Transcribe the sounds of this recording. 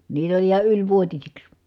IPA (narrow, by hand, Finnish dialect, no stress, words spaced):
niːtæ olʲ ihɑ ylʲʋuotisiks